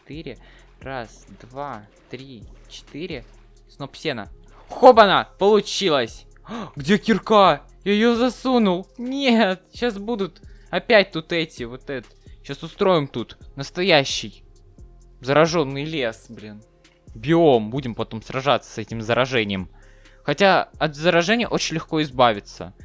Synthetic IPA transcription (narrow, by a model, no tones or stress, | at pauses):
t̪ɨɾʲɪ | rasd̪va | t̪ɾʲit͡ɕɪ̥t̪iɾʲɪ | snopsʲenə̰ | xobənapəlˠʊt͡ɕilˠəsʲ | ɡdʲe̞kʲɪrka | jaɪjozɐsunʊlˠnʲet̪̚ɕasbud̪ʊt̪ɐpʲæt̚ʲt̪ut̪ɛtʲɪvot̪ɛt̪t̪ɕasʊst̪ɾo̞jɪmt̪ut̪nəst̪ɐjæɕːɪj | zəɾɐʐo̞nːɨjlʲesblʲin | bʲɪo̞mbudʲɪmpɐt̪o̞msrɐʐat̪sːə̥sɛtʲɪmzəɾɐʐɛnʲɪjəm | xɐtʲaɐt̪zəɾɐʐɛnʲɪjə̰ʔo̞t͡ɕɪnʲlʲɪxko̞ɪzbavʲɪt̪sə̰